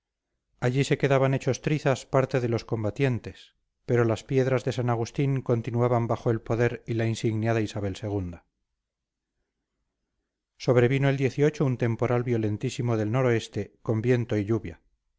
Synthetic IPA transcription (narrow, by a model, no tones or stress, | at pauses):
aʎise̞ke̞ðaβane̞t͡ʃo̞st̪ɾiθaspaɾt̪e̞ðe̞lo̞sko̞mbat̪je̞nt̪e̞s | pe̞ɾo̞laspje̞ðɾazðe̞sanaɣ̞ust̪iŋko̞nt̪inuaβambaχoelpo̞ðe̞ɾilainsiɣnjaðaisaβ̞e̞lse̞ɣ̞und̪a | so̞β̞ɾe̞βino̞eld̪je̞θio̞t͡ʃo̞unt̪e̞mpo̞ɾalβjo̞le̞nt̪isimo̞ðe̞lno̞ɾo̞e̞st̪e̞ko̞mbje̞nt̪o̞iʎuβja